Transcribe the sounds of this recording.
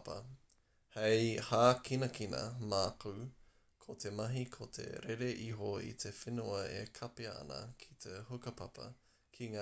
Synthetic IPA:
pɐ̰ | hejhaːkinɐkinɐ̰maːku | kʰot̪ʰemɐɦikʰot̪ʰḛɾeɾeʔiɦoḭt̪ʰefenuɐḛkʰɐpeɐɐ̰nɐ̰kʰi̥t̪ʰehukɐpʰɐpɐ̰ | kʰiŋaː

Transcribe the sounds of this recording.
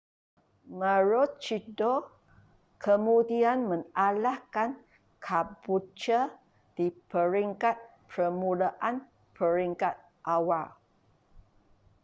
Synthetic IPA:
maɹot͡ʃido | kʰəmudianmə̃ŋalahkan | kʰabut͡ʃə | d̥ipəɾiŋkat̪̚pɾəmulaʔan | pʰəɾiŋkat̪̚ | ʔawa

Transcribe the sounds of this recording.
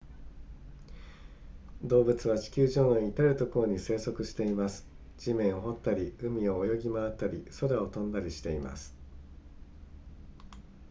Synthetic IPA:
d̪o̞ːbɯ̟t͡sɨβ̞at͡ɕi̥kʲɨːʑo̞ːno̞it̪aɾɯ̟t̪o̞ko̞ɾo̞ɲ̟ise̞ːso̞kɯ̟ɕi̥t̪e̞imasɨ̥ | d͡ʑimẽ̞ɰ̃oɦo̞t̪ːaɾʲiɯ̟mʲio̞ːjo̞ɡʲimaat̪ːaɾʲḭso̞ɾao̞t̪õ̞nd̪aɾʲiɕi̥t̪e̞ima̰sɨ̥

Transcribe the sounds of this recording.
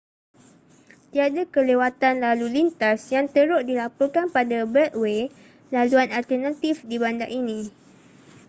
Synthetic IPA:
t̪iadakəlewat̪anlalulint̪asjaŋt̪əɾʊʔdilapɔrkanpadabət̪̚we | laluanalt̪ərnãt̪ifdibandaʔinĩ

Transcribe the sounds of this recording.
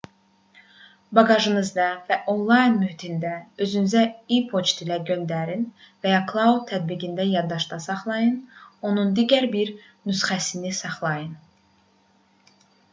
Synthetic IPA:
bɑɡɑʒɯnɯzd̪ɑvæʔo̞nlˠɑjnmyhit̪ʰind̪æø̞zynyzæipʰo̞t͡ʃt̪ilæɟø̞nd̪æɾin | væjɑkʰlˠɑud̪̚t̪ʰːæd̪̚biɡind̪æjɑɾd̪ɑʃd̪ɑsɑχlˠɑjɯno̞nund̪iɟæɾbiɾ | nysχæsinisɑχlˠɑjɯn

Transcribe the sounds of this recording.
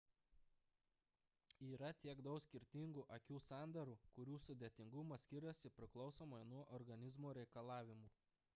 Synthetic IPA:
iːɾɐt̪ʲiɛɡd̪ɒʊksʲkʲɪɾʲt̪ʲɪŋɡʊʔɐkʲuːsɑˑnd̪ɐɾuːkʊɾʲuːsʊd̪ʲeːt̪ʲɪŋɡʊmɐsʲkʲɪɾɐsʲɪpʲɾʲɪklˠɒʊsoːmɐjnuɔʔɔɾɡɐnʲɪzmoːɾʲɛɪkɐlˠɑːʋʲɪmuː

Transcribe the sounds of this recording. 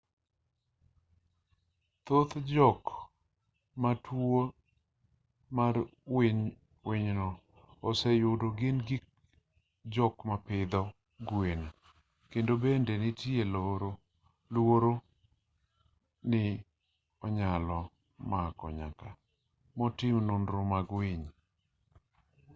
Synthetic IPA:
t̪ot̪d͡ʒɔk | matʰwo | maɾweɲ | weɲnɔː | sɛjʊdoɡɪnɡik | d͡ʒɔkmapɪd̪ɔ | ɡwena | kendobendenɪtieloɾo | lwoɾo | nɪ | ɔɲalɔ | makɔ̰ɲa̰ka | mɔtɪmnʊnɾomaɡwiɲ

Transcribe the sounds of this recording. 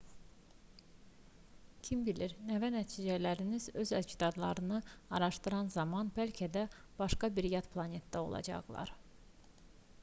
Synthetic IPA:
cʲʰimbiliɾnævænæt̪ʰiːd͡ʒælæɾinizø̞zæd̪t͡ʃʰid̪ɑd̪lˠɑ̰ɾɯnɯɑɾɑʃt̪ɯɾɑnzɑmɑnbælcʰæd̪æ | b̥ɑʃkɑbiɾjɑt̪pʰlˠɑnet̪d̪æo̞̰lˠɑ̰d͡ʒɑ̰ɣlˠɑ̰ɾ

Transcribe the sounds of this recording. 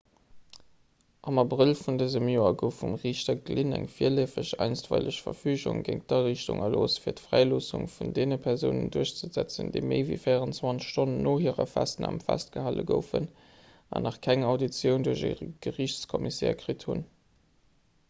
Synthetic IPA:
ʔɑmɑbʁilfundəzəmjoːɐɡəʊfumʁiːɕtɐɡlinæŋfiːɐliːfəɕæɪnstvæɪləɕfɐfyːʑʊ̰ŋɡəŋ̚dɑʁiɕtʊ̰ŋɐloːsfiːɐtfʁæɪloːsʊŋfundeːnəpʰɛʁzəʊnə̰nduɐɕt͡səzæt͡səndeɪmeɪvḭfeɪəʁənt͡swɑnʃtonənːoːɦiːʁə̰fæstənɑmfæst̚ɡ̥əhaːlə̰ɡəʊfən | ɑ̰nɑχkʰæŋɑʊdit͡sjəʊnduɐʑəɡ̥əʁiɕt͡skʰɔmisɛːɐkʁithun

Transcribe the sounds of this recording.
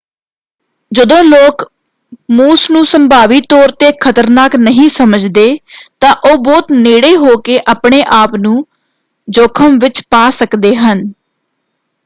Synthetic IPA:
d͡ʒəd̪õːloːk | muːsnũːsəmbaːʋiːt̪ɔːɾt̪eːkʰət̪əɾnaːknəɦĩːsəməd͡ʒd̪eːt̪ãːʔoːbɔːt̪neːɽeːɦoːkeːʔaːpɳeːʔaːpnũː | d͡ʒoːkʰəmʋɪt͡ʃpaːsəkd̪eːɦən

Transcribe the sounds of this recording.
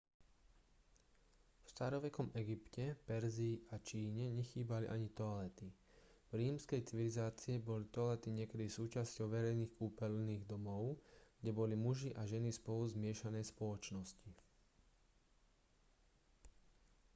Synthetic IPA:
fst̪aːɾɔʋɛkɔmɛɡipcɛpɛɾziːʔat͡ʃiːɲɛɲɛxiːbalḭʔaɲit̪ɔalɛt̪i | vɾiːmskɛjt͡siʋilizaːt͡siɛbɔlit̪ɔalɛt̪iɲɪɛkɛd̪isuːt͡ʃascɔʊʋɛɾɛjniːxkuːpɛlniːɣd̪ɔmɔʊɡ̥ɟɛbɔlimuʒiʔaʒɛnispɔluzmɪɛʃanɛjspɔlɔt͡ʃnɔsci

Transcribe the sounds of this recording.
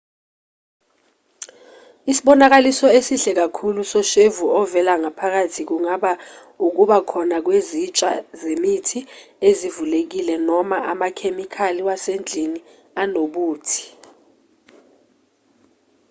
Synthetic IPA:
isiɓɔnak̬alisɔesiɬɛk̬akʰulusɔʃevuɔvɛlaŋapʰak̬atʰik̬uŋaɓa | uk̬uɓakʰɔnak̬wezit͡ʃʼa̰zemitʰiezivulek̬ilɛnɔmaʔamakʰemikʰaliwasend͡ɮʱiŋi | anoɓuːtʰi̥

